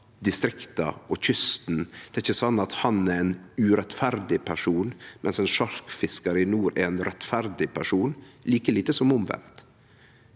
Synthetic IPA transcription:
d̪ɪst̪ɾɪkt̪ɑ̰ɔçʏst̪nd̪̥ɛɾɪçːəsɑnːɑt̪hɑnɛɾɛːnʉɾɛt̪fæɾd̪ɪpʰæʂuːnmʔɛnsɛːnʃɑɾkfɪskɑɾəɪnuːɾɛ̰ɾɛnɾɛt̪fæɾd̪ɪpʰæʂuːnliːkəliːt̪əsɔmʊmʋɛ̰nt̪

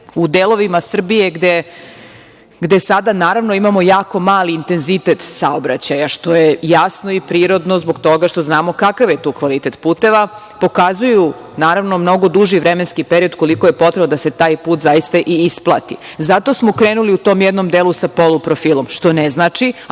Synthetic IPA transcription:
ud̪elˠo̞ʋimasr̩bijeɡd̪e | ɡd̪e̞sad̪anaːɾaʋnoimamo̞jaːko̞maːliːnt̪e̞nzit̪et̪saobɾat͡ɕajaʃt̪o̞jejasnoipɾiːɾo̞d̪nozboɡt̪o̞ɡaʃt̪o̞znaːmo̞kakaʋjet̪uːkʋalit̪e̞t̪puːt̪eʋa | po̞kazuju | naːɾaʋnomno̞ɡo̞d̪uʒiʋɾemenskipeɾio̞d̪ko̞liko̞je̞pot̪ɾebnod̪ase̞t̪aːjpuːt̪zajist̪aʔiisplˠa̰t̪ḭzat̪o̞smokɾeːnuliut̪oːmjɛd̪no̞md̪elˠusapolupɾofiːlˠomʃt̪o̞neznaːt͡ʂi

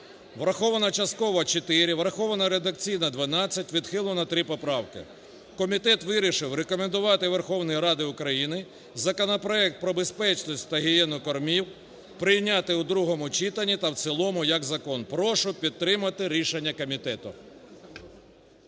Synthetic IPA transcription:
ʋɾɐxɔʋɐnɐt͡ʃɐst̪̚kɔʋɐt͡ʃet̪ɪɾʲɪʋɾɐxɔʋɐnɐɾed̪ɐkt͡sʲijnɐd̪ʋɐnɑt͡sʲːɐtʲʋʲid̪xɪlˠʊnɐt̪ɾɪpɔpɾɑwkɪ̰ | kɔmʲit̪ɛt̪ʋɪɾʲiʃɪwɾekɔmend̪ʊʋɑt̪ɪʋerxɔwnɔjiɾɑd̪ɪʊkɾɐjinɪ | zɐkɔnɔpɾɔɛk̚t̪̚pɾɔbe̞spɛt͡ʃnɔsʲtʲt̪ɐɦɪjɛnʊkɔrmʲiw | pɾɪjnʲɑt̪ɪud̪ɾuɦɔmʊt͡ʃit̪ɐnʲːit̪ɐw̪sɛlˠɔmʊjɐkzɐkɔnpɾɔʃʊpʲid̪̚ːɾɪmɐt̪ɪɾʲiʃenʲːɐkɔmʲit̪ɛt̪ʊ̰

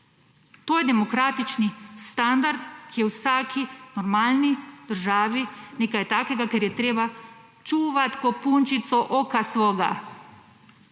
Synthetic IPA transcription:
t̪oːjɛd̪ɛmɔkɾaːt̪it͡ʃnist̪and̪aɾd̪kijɛwsaːkʰinɔɾmaːlnid̪̥əɾʒaːʋineːkajt̪aːkɛɡakɛɾjɛt̪ɾeːba | t͡ʃuʋat̪kɔpunt͡ʃit̪sɔʔoːkasʋɔːɡa̰

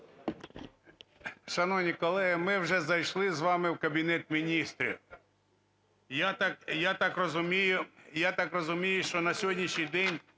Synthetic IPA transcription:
ʃɐnɔwnʲikɔlˠɛɦɪmɪwʒɛzɐjʃlˠɪzʋɑmɪwkɐbʲinɛt̪mʲinʲist̪ɾʲḭ | jat̪ɑkjat̪ɑkrɔzʊmʲijʊjat̪ɑkrɔzʊmʲijʊʃt͡ʃɔnɐsʲɦɔdʲnʲiʃɲʲijd̪ɛnʲ

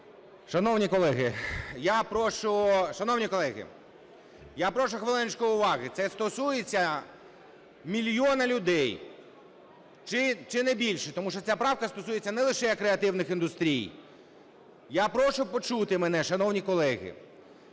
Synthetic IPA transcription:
ʃɐnɔwnʲikɔlˠɛɦɪjapɾɔʃʊʃɐnɔwnʲikɔlˠɛɣɪ̰ | japɾɔʃʊxʋelˠɪnɪt͡ʃkɔjʊʋɑɣɪt̪sɛst̪ɔsujet͡sʲːɐ | mʲilʲjɔnɐlʲʊd̪ɛj | t͡ʃɪt͡ʃɪnɛbʲilʲʃɛt̪ɔmuʃt͡ʃɔt͡sʲapɾɑwkɐst̪ɔsujet͡sʲːɐnɛlˠɪʃɛjɐkːɾeɐt̪ɪwnɪxind̪ʊst̪ɾʲij | japɾɔʃʊpɔt͡ʃut̪ɪmɛnɛʃɐnɔwnʲikɔlˠɛɣɪ̰

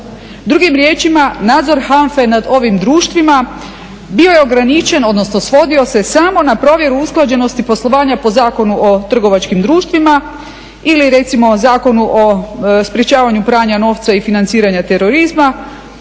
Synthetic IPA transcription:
d̪ɾuɡimɾje̞ːt͡ʃimanaːd̪zo̞ɾhaɱfe̞nad̪o̞ʋimd̪ɾuːʃt̪ʋima | bio̞je̞o̞ɡɾanit͡ʃe̞no̞d̪no̞sno̞sʋo̞d̪io̞se̞samo̞napɾo̞ːʋje̞ɾuusklˠad͡ʑe̞no̞st̪ipo̞slˠo̞ʋaːɲapo̞zaːko̞nuʔo̞t̪r̩ɡo̞ʋat͡ʃkimd̪ɾuːʃt̪ʋima | iliɾe̞t̪simo̞zaːko̞nuʔospɾjet͡ɕaːʋaɲupɾaːɲano̞ːʋt̪saifinant̪siːɾaɲat̪e̞ɾo̞ɾizma

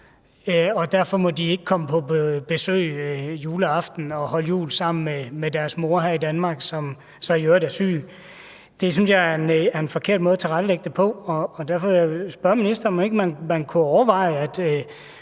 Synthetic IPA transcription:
ɒ̽d̥æɐ̰fɒ̽mɒ̽d̥ie̝ɡ̥əkʰɒ̽məpʰɒ̽bb̥e̝sø̰ːjuːləɑ̈fd̥n̩ɒ̽hɒ̽ləjṵːlsɑ̈m̰n̩memed̥æɐsmo̝ɐɦæɐ̰id̥ænmɑ̈ːɡ̥sɒ̽m | sɒ̽jøɐdæɐsy̰ː | d̥e̝s̬ynsjɑ̈ɐenæɐe̝nfɒ̽kʰe̝ɐ̰d̥̚mɔ̽ːð̞̩ˠt͡sʰe̝ʁad̥leɡ̥̚d̥epʰɒ̽ɒ̽ːd̥æɐfɒ̽sb̥ɶɐminisd̥ɐɒme̝ɡ̥mænmænkʰuɒʊɐʋɑ̈ɪ̰æd̥

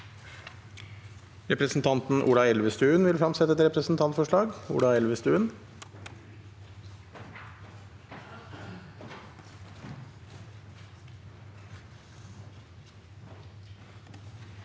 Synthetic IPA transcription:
ɾɛpɾəsn̩t̪ʰɑnt̪n̩ʔṵːɽɑɛlʋəst̪ʉːənʋɪlfɾɑmsɛt̪ɛt̪ɾɛpɾəsn̩t̪ʰɑnt̪fɔʂɭɑːɡṵːɽɑɛlʋəst̪ʉːən

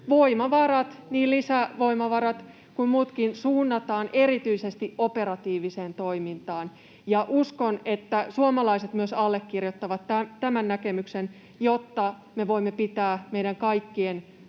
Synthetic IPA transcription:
ʋo̞imɑʋɑrɑt̪niːllisæʋo̞imɑʋɑɾɑt̪ | kummuːt̪kinsuːnːɑt̪ɑːnʔeɾit̪yisest̪iʔopeɾɑt̪iːʋiseːnt̪oimint̪ɑːn | jɑʔuskonet̪ːæsuomɑlɑiset̪myøsɑlːekːirjot̪ːɑʋɑt̪ːæt̪æmænːækemyksen | jot̪ːɑ | meʋo̞imːepit̪æːmeiɾæŋkɑikːien

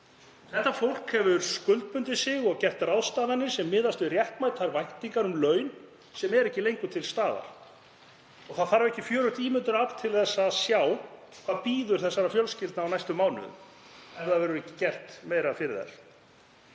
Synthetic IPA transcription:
θɛht̪ːafowl̥khɛvʏɾskʏlt̪̚pʏnt̪ɪsɪɣɔɣcɛr̥t̪rawðst̪aːðanːɪ̥sɛmːɪːðast̪ʏɾjɛht̪majt̪θaɾvajht̪iŋkaɾʏmlœɥn | sɛmɛɾɛhcːɪlejŋkʏt̪ʰɪlst̪aːða̰ɾ̥ | ɔɣθaðfaːɾɪvɛhcɪfjœːɾʏht̪iːmʏnt̪ʏɾaplt̪ʰɪlθɛsːaðsjawkʰvaːðpiːðʏɾ̥θɛsːaɾafjœlscɪlt̪nawnajst̪ʏmːawnʏ̰ð | ɛvðaðvɛːɾʏɛcɪcɛr̥t̪meːjɾafɪɾɪðθa̰ɾ̥

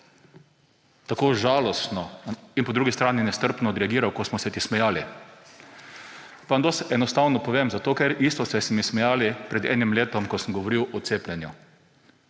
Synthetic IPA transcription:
t̪akoːʒaːlɔst̪nɔinpɔd̪ɾuɡist̪ɾaːninɛst̪əɾpnɔd̪ɾɛaɡiːɾawkosmɔsɛt̪ismɛjaːli | pand̪osɛnɔst̪aːwnɔpɔʋeːmzat̪oːkɛɾiːst̪ɔsɛsɛmismɛjaːlipɾɛd̪ɛ̰ːnimleːt̪ɔmkɔsəmɡɔʋɔɾiːwɔt̪seːplʲɛnju

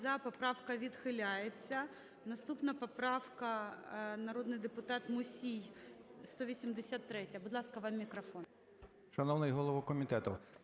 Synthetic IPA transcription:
zɐpɔpɾɑwkɐʋʲid̪xɪlʲajet͡sʲːɐ | nɐst̪upnɐpɔpɾɑwkɐnɐɾod̪nɪjd̪epʊt̪ɑt̪mʊsʲijst̪ɔʋʲisʲimd̪esʲat̪ːɾɛtʲɐbʊd̪lˠɑskɐʋɑmːʲikɾɐfɔn | ʃɐnɔwnɪjɦɔlˠɔʋɔkɔmʲit̪ɛt̪ʊ

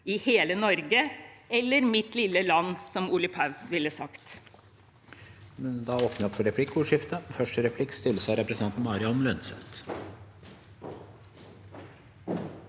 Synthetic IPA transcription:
ɪheːlənɔɾɡəɛlːəɾmɪt̪lɪlːəlɑnːsɔmuːləpʰɑʉsʋɪləsɑkt̪ | mɛnd̪ɑoːpnəɪɔpʰːɔɾɛpʰlɪkːʊːʂɪft̪əfœʂʈəɾɛpʰlɪkːst̪ʰɪlːsɑɾɛpɾəsnʰɑnt̪n̩mɑːɾɪəɔmlœnsɛt̪

